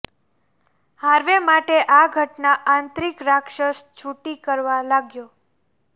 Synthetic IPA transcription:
haɾʋemaʈeʔaɡʱəʈnaʔant̪ɾikɾakʃəʃt͡ʃʰuʈikəɾʋalaɡjo

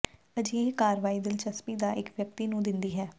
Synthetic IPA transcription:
əd͡ʒiekaːɾʋaːiːd̪ɪlt͡ʃəspiːd̪aːʔɪkʋjək̚t̪iːnũːd̪ɪnd̪iːɦɛː

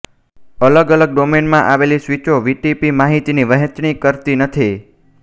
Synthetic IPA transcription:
ələɡələɡ̚ɖomenmãʔaʋelisʋit͡ʃoʋiʈipimaɦit̪iniʋəɦət͡ʃɳ̃ikəɾt̪inət̪ʰi

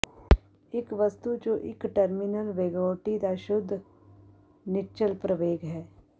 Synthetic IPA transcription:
ɪkʋəst̪ud͡ʒoːʔɪkʈəɾmɪnəlʋeːɡoːʈid̪aʃʊd̪ʱː | nɪt͡ʃəlpɾəʋeːɡɦɛː

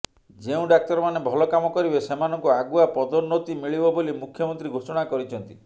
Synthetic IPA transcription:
d͡ʒeũɖak̚t̪ɔɾɔmanebʱɔlɔkamɔkɔɾibesemanɔŋkuaɡuapɔd̪ɔɾnːot̪imiɭibɔbolimukʰjɔmɔnt̪ɾiɡʱosɔɽ̃akɔɾit͡ʃʰɔnt̪i

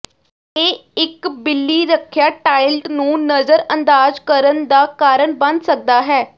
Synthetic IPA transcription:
eːɪkbɪlːiːɾəkʰjaːʈaːɪlʈnũːnəzəɾə̃nd̪aːzkəɾənd̪aːkaːɾəɳbə̃nd̪sək̚d̪aːɦɛː

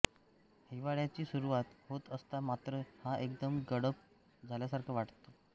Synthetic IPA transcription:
hiʋaɭjat͡ɕiːsuɾuʋat̪hot̪əst̪amat̪ɾəhaʔekd̪əmɡəɽəp̚ | d͡zʱaljasaɾkʰəʋaʈt̪o

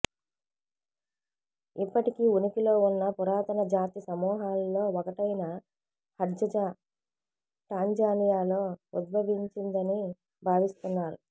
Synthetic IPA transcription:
ipːɐʈikiːunikilo̞ːunːɐpuɾaːt̪ɐnɐd͡ʒaːt̪isɐmɔːɦaːlːo̞ːɔkɐʈɐjnɐ | hɐdd͡ʒɐd͡ʒa | ʈaːɲd͡ʒaːnijaːlo̞ːud̪̚bʱɐʋiɲt͡ʃind̪ɐni | bʱaːʋist̪unːaːɾu

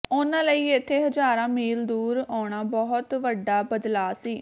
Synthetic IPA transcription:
ʊnãːləiːɪt̪ʰːeːɦəd͡ʒaːɾãːmiːld̪uːɾaːɳ̃aːbɔɦʊt̪ʋəɖaːbəd̪laːsiː

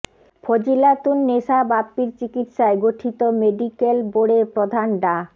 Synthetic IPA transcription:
fʰod͡ʑilat̪unːeʃabapːiɾt͡ɕikit̪ʃaeɡoʈʰit̪omeɖikelboɽepɾod̪ʱanɖa

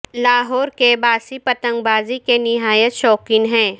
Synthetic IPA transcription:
laːɦɔːɾkebaːsipɐt̪ə̃ŋɡbaːzikenɪɦaːjət̪ʃɔːkɪ̃ŋɦɛ̃ː

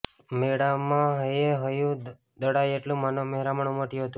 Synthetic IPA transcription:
meɽamãɦəjeɦəjũ | d̪əɽajeʈlũmanomeɦɾaməɳũməʈjuɦət̪ũ

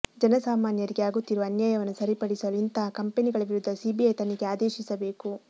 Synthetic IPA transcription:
d͡ʒɐnɐsaːmaːnjɐɾiɡeaːɡut̪ːiɾuʋɐɐnjaːjɐʋɐnːusɐɾipɐɽisɐluint̪akɐmpeniɡɐɭɐʋiɾud̪ʱːɐsiːbiɐjt̪ɐniɡeaːd̪eːʃisɐbe̞ːku

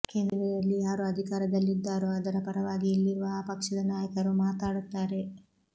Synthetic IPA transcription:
keːnd̪ɐɾɐjɐlːijaːɾuɐd̪ʱikaːɾɐd̪ɐlːid̪ːaːɾuɐd̪ɐɾɐpɐɾɐʋaːɡiilːiɾuʋɐpɐkʂɐd̪ɐnaːjɐkɐɾumaːt̪aːɽut̪ːaːɾe̞

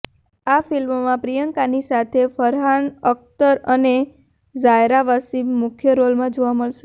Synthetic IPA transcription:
afilmmãpɾijəŋkanisat̪ʰefəɾɦanək̚t̪əɾəne | d͡ʒajɾaʋasimʊkʰjəɾolmãd͡ʒoʋaməɭʃe

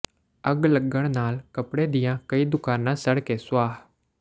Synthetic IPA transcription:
əɡləɡəɽ̃naːlkəpɽeːd̪ɪjãːkəiːd̪ʊkaːnãːsəɽkeːsʊʋaːɦ

